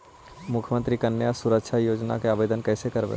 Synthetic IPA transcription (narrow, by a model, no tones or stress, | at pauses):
mʊkʰmə̃nt̪ɾikənːjasuɾəkʃʰajoːd͡ʒna̰keaːbeːd̪ənkɛːsekəɾbḛ